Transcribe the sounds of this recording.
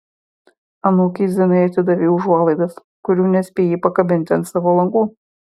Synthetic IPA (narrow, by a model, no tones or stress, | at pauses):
ɐnuːkʲiːzʲɪnɐɪɐt̪ʲɪd̪ɐʋʲiːʊʒuɔlˠɐɪd̪ɐs | kʊɾʲuːnʲɛsʲpʲeːjipɐkɐbʲɪnʲt̪ʲɛnt̪sɑʋoːlˠɐŋɡuː